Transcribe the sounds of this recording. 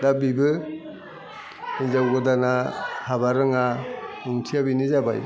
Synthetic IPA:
dabibɯ | izawɡɯdanahabaɾɯŋanuŋtʰijabinizaba̰j

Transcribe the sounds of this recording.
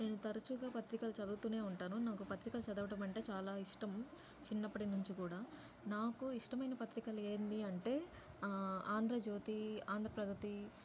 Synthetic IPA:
neːnut̪ɐɾɐt͡ʃuɡaːpɐt̪ɾikɐlt͡ʃɐd̪uːt̪uːne̞ːuɳʈaːnunaːkupɐt̪ɾikɐlut͡ʃɐd̪ɐʋɐʈɐmɐɳʈe̞ːt͡ʃaːlaːiʂʈɐm | t͡ʃinːɐpːɐʈinuɲt͡ʃikuːɽaː | naːkuiʂʈɐmɐjnɐpɐt̪ɾikɐle̞ːnd̪iɐɳʈe̞ː | aːnd̪ɾɐd͡ʒo̞ːt̪iaːnd̪ʱɾɐpɾɐɡ̪ɐt̪i

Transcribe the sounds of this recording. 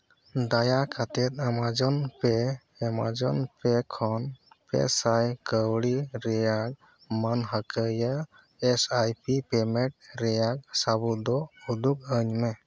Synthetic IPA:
d̪ajakʰat̪ɛt̪̚amad͡ʒɔnpe | ɛma̰d͡ʒɔnpekʰɔn | pɛ̰sajkəwɽiɾɛjak̚ | mənɦəkəjəː | sajpipemeʈ̚ɾɛjak̚sabud̪ɔud̪uk̚əɲmɛ

